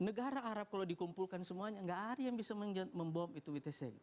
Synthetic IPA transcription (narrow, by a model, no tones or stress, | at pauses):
nəɡaɾaʔːɾap̚kalawdikumpulkansəmuaɲaŋɡaʔadajaŋbisaməɲd͡ʒəməmbɔmit̪uwit̪ɛsɛbi